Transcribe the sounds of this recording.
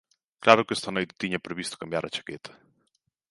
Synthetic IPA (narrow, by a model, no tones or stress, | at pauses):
klaɾʊkest̪ɐnojt̪ɪ̥t̪iɲɐpɾeβist̪ʊ̥kambjaɾɐt͡ʃḁket̪ʰɐ̥